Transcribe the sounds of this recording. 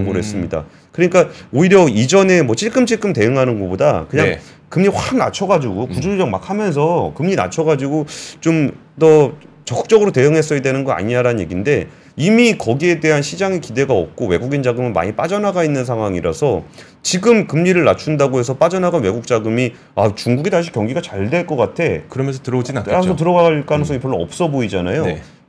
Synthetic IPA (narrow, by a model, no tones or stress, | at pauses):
ŋɡoɾɦes͈ɯmɲida̰ | kɯɾɲik͈aoiɾjʌid͡ʑʌne̞mwʌt͡ɕʰiɭk͈ɯmt͡ɕʰiɭk͈ɯmte̞ɯŋɦanɯnɡʌboda̰kɯɲaŋ | kɯmɲiɸwaŋna̰t͡ɕʰʌɡad͡ʑiɡopud͡ʑud͡ʑʌk̚makʰhamjʌns̬ʰʌkɯmɲina̰t͡ɕʰʌɡad͡ʑiɡot͡ɕom | t͈ʌt͡ɕʌkɯ̥k̚t͡ɕ͈ʌɡɯɾote̞jɯŋɦe̞s̬͈ʌjadwenɯnɡʌa̰ɲiaɾanɯnɲjḛɡinde̞ | imikʌɡie̞de̞ɦanɕʰid͡ʑaŋekide̞ɡaʌ̰p̚k͈owe̞ɡuɡind͡ʑaɡɯmɯnma̰ɲip͈ad͡ʑʌnaɡainːɯnsʰaŋɦwaŋiɾa̰sʰʌ | t͡ɕiɡɯmkɯmɲiɾɯɭnat͡ɕʰundaɡoɦe̞s̬ʰʌp͈ad͡ʑʌnaɡanwe̞ɡuk̚t͡ɕ͈aɡɯmi | at͡ɕuŋɡuɡitaɕ̬ʰi̥kjʌŋɡiɡat͡ɕaɭdwe̞ɭk͈ʌk͈atʰe̞kɯɾʌmjʌns̬ʰʌtɯɾʌd͡ʑinaas̬ʰʌt̬ɯɾʌɡaɭk͈anɯsʰʌɡipjʌɭːoʌ̰p̚s͈ʌboid͡ʑanajo